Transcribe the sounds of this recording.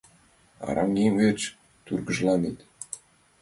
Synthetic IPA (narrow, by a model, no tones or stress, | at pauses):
ɑ̰ɾɑŋeŋvet͡ɕ | t̪yrɡə̆ʒlˠɑnet̪